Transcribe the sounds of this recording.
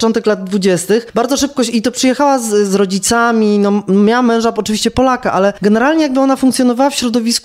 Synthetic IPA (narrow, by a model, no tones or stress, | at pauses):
t͡ʂɔnt̪ɛklad̪d̪vud͡ʑɛst̪ɘxbaɾd̪zɔʂɘp̚kɔɕit̪ɔpʂɨjɛxawazzɾɔd͡ʑit̪samʲinɔmʲjawamːɛ̃w̃ʐaɔt͡ʂɨviɕt͡ɕɛpɔlakaʔalɛɡɛnɛɾalɲɛjaɡ̚bɘɔnafuŋkt̪sjɔnɔvawafɕɾɔd̪ɔvʲisku